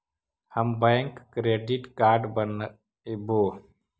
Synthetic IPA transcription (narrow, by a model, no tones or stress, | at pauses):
həmbɛ̃ŋkːɾeːɖiʈkaːɾɖbən | boː